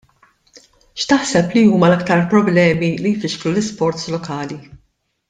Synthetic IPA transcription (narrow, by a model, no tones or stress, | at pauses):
ʃt̪ɐħsɛpliuːmɐlɐkt̪ɐɾpɾɔblɛːmilijfɪʃkɾulɪspɔɾt̪slɔkɐːli